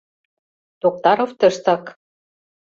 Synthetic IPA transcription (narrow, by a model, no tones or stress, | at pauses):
t̪ok̚t̪ɑɾoft̪ɤʃt̪ɑk